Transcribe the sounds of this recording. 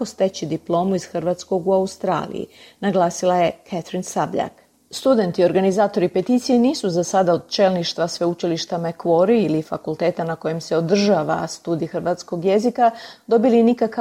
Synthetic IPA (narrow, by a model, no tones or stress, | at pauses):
ost̪e̞t͡ɕid̪iplˠo̞ːmuiz̥xrʋaːt̪sko̞ɡuaust̪ɾa̰ːlḭjḭnaɡlˠaːsilˠaje̞kʰat̪ɾinsabʎa̰k | st̪ud̪e̞nt̪io̞ɾɡanizaːt̪o̞ɾipet̪iːt̪sijeniːsuzasad̪ao̞d̪̚t͡ʃe̞ːlniʃt̪ʋasʋe̞ut͡ʃiliʃt̪amekʋo̞ɾiilifakulˠt̪e̞ːt̪anako̞jemseo̞d̪r̩ʒaːʋa̰st̪uːd̪iixɾ̩ʋat̪sko̞ɡje̞zikad̪o̞bilinikaka